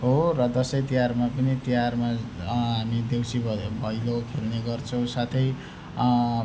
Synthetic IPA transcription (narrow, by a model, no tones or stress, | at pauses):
ɦorʌd̪ʌsʌjt̪ijarmapʌnit̪ijarmaɦamid̪ewsibʱʌbʱʌjlokʰelneɡʌrt͡sʰʌw̃sat̪ʰʌj